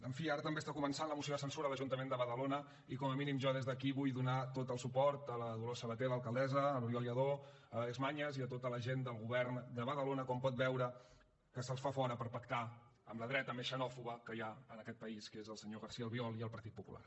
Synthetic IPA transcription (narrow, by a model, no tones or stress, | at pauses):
əɱfiaɾət̪əmbest̪akumənsanləmusioðəsənsuɾəðələʒunt̪əmend̪əβəðəlonə | ikɔməminimʒɔðezðəkiβujðunat̪ot̪əlˠsupɔɾt̪ələðulosəβət̪eləlˠkəlˠd̪ɛzəːluɾjɔljəðo | əezmaɲəziət̪ot̪ələʒend̪əlˠɣuβɛrnd̪əβəðəlonəkɔmpɔt̪̚βɛwɾə | kəsəlˠsfafɔɾəpəɾpəkt̪a | ə̰mləðɾɛt̪əmesʃənɔfuβəkəjaənəkɛt̪̚pəiskezəlˠsəɲoɣəɾsiəlˠβiɔlˠiəlˠpəɾt̪it̪̚pupṵlʔa̰r